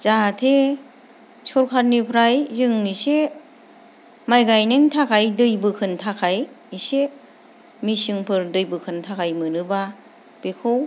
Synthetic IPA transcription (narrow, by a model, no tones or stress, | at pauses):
zatʰe | sɔɾkʰat̚nipʰɾajzɯŋise | majɡajnentʰakʰajdɯjbɯkʰɯntʰakʰaj | ise | misɯŋpʰɯɾdɯjbɯkʰɯntʰakʰajmɯnɯba | b̥ekʰɯw